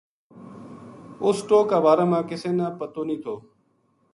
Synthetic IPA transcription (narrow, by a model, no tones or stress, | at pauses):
oːsʈoːkːaːbaːɾaːmãːkɪseːnãːpət̪oːnĩːt̪ʰoː